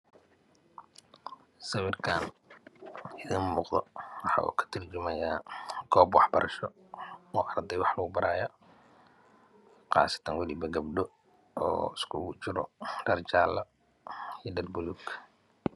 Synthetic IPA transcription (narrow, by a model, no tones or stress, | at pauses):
sɐwɪrkʰaːn | ɪðinmuːqd̪ɔ̰wɑħɑ̰ʔṵːkʰɐ̥t̪ʰɪrt͡ʃɪmɐjaːɡʰɔːbwɑħbɐɾʔɐʃɔ | uːʔɐrd̪ɛjwɑħlɐɡʊbɐɾaːjɔ | qɑ̰ːsɐ̥t̪ʰɐnwɐlibɐɡɐbɖɔ | ɔ̰ːɪskʰʊʊt͡ʃɪɾɔ̰ɖɐrt͡ʃaːlɐ | ijɖɐlbʊluɡ